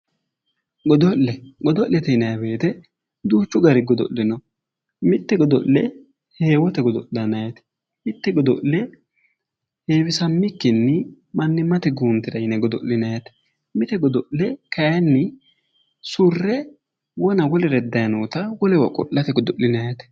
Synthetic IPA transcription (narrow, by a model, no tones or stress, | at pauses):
ɡɔd̪ɔʔːɛɡɔd̪ɔʔlːɛt̪ɛɪnɐjɐbeːt̪ɛ | d̪uːt͡ʃːʊɡɐɾɪɡɔd̪ɔ̰ʔlːɪnɔ | mɪt̪ːɛɡɔd̪ɔ̰ʔɛ | he̞ːwɔt̪ɛɡɔd̪ɔlːɐnɐjɐt̪ɛ̥ | mɪt̪ːɛɡɔd̪ɔ̰ʔlɛ | he̞ːbɪsɐmːɪkːɪnːɪ | mɐnːɪmɐt̪ɛɡuːnt̪ːɪd̪ɐjɪnɛɡɔd̪ɔ̰lːɪnɐjɐt̪ɛ̥ | mɪt̪ɛɡɔd̪ɔʔlɛkɐjɐnːɪ | sʊrːɛ | wɔnɐwɔlɛɾɛd̪ːɐjɐnuːt̪ɐwɔlɛwɐ̰kʼɔ̰ʔːɐt̪ɛɡɔd̪ɔʔlɪnɐjɐt̪ɛ̥